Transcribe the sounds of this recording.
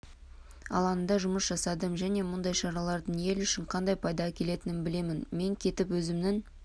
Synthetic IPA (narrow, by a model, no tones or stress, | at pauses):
ɑ̰lˠɑnənd̪ɑʒʊməsʒɑsɑd̪əmʒæne̞mʊnd̪ɑjʃɑɾɑlˠɑɾd̪əɴje̞lʏʃɪɴqʰɑnd̪ɑjpʰɑjd̪ɑkʲʰe̞le̞t̪ɪnɪnbɪle̞mɪnme̞ŋkʲʰe̞t̪ɪpwɵzɪmnɪŋ